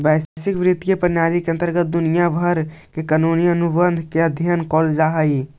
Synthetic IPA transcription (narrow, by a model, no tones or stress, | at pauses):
bɛːssɪkʋɾɪt̪ijəpənaːɾikeə̃nt̪əɾɡət̪̚d̪ʊnijabʱəɾkekanuniənubənd̪ʱkeəd̪ʱjənkɔːld͡ʒaːɦəi